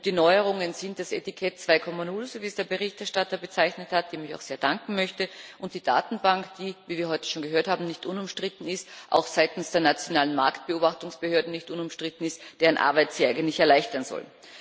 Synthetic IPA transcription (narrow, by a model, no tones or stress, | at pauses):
d̥iːnɔʏəʁʊŋənzɪntd̥asetɪkʰɛt̚t͡sv̥aɪkʰɔmanʊlzoviːəsd̥eːɐbəʁɪçtɛɐʃtatɐbət͡saɪçnəthat̚d̥eːɐmɪça̰ʊxzeːɐd̥aŋkŋ̩mœçtəʔʊnt̚d̥iːda̰ːtn̩baŋkd̥iːviːviːɐɦɔʏtə̥ʃoːnɡəɦøːɐthaːbm̩nɪçtʔʊnʊmʃtʁ̥ɪtn̩ɪstʔa̰ʊxz̥aɪtn̩sd̥eːɐnat͡sjonaːlənma̰ɐkt̚b̥əoːbaχtʊŋsb̥əhøːɐdnnɪçtʔʊnʊmʃtʁ̥ɪtn̩ɪstd̥eːʁənʔa̰ɐbaɪtz̥iːaɪɡəntlɪçɛɐlaɪçtɐnzɔ̰l